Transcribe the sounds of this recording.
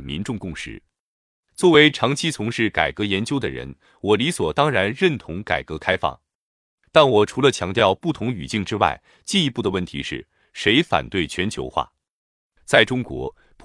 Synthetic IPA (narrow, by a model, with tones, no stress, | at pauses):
mḭ˧˥nʈ͡ʂʊ˥˧ŋkʊ˥˧ŋʂɻ̩̰˧˩ | t͡swɔ˥˩we˧˥ɪʈ͡ʂʰɑ˧˥ŋt͡ɕʰi˥t͡sʰʊ˧˥ŋʂɻ̩˥˩ka̰˨˩ɪkɤ˧˥jɛ˧˥nt͡ɕjo˥ʊd̪ə˨ɻə̰˧˥n | wɔ˨˩li˧˥swɔ˨˩t̪ɑ˥ŋɻa˧˥nɻə˥˩nt̪ʰʊ˧˥ŋka̰˨˩ɪkɤ˧˥kʰa˥ɪfɑ̰˥˩ŋ | t̪a˥˩nwɔ˨˩ʈ͡ʂʰu˧˥lə˧t͡ɕʰjɑ˧˥ŋt̪jɑ˥˧ʊpu˥˩t̪ʰʊ˧˥ŋy̰˨˩t͡ɕi˥˩ŋʈ͡ʂɻ̩˥wa̰˥˩ɪ | t͡ɕi˥˩i˧˥pu˥˩d̪ə˩wə˥˩nt̪ʰḭ˧˥ʂɻ̩˥˩ | ʂe˧˥ɪfa̰˨˩nt̪we˥˩ɪt͡ɕʰɥɛ˧˥nt͡ɕʰjo̰˧˥ʊxwa̰˥˩ | t͡sa˥˩ɪʈ͡ʂʊ˥ŋkwɔ̰˧˥ | pʰ